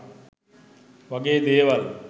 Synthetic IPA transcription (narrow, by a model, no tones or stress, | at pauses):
ʋaɡeːd̪eːʋal